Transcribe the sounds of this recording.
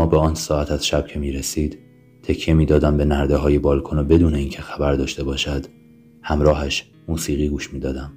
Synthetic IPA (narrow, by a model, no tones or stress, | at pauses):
ɒːbeɒːnsɒːæt̪ʰæz̥ʃæb̥̚cʰe̞miːɾesiːd̪̥ | t̪ʰecʰːijemiːd̪ɒːd̪æmbe̞næɾd̪eɦɒːje̞bɒːlkʰonobe̞d̪uːne̞iːncʰe̞xæbæɾd̪ɒːʃt̪e̞bɒːʃæd̪̥ | hæmɾɒːɦæʃ | muːsiːɣiːɡuːʃmiːd̪ɒːd̪æm